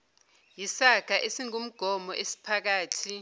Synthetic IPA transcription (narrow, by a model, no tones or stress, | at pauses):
jisaɡ̥ʱaʔesiŋum̩ɡ̥ʱɔmɔʔesi̥pʰak̬aːtʰi